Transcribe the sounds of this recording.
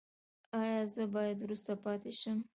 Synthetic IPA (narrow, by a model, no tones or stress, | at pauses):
ɑjɑzəbɑjad̪wɾust̪apɑt̪eʃəm